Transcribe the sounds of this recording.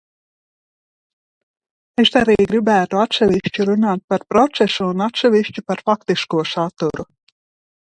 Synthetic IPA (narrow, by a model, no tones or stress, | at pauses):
eʃd̪aɾiːɡɾibæːt̪uat̪seʋʲiʃt͡ʃuɾunaːt̪̚paɾpɾɔt̪sesuːnat̪seʋʲiʃt͡ʃupaɾfakt̪iskuɔsat̪uɾu